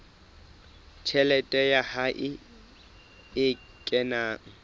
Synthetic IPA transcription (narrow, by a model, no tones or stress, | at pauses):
t͡ʃʰɛlɛtʼɛjahaʔɪ | ɪ | kʼɛnaːŋ̩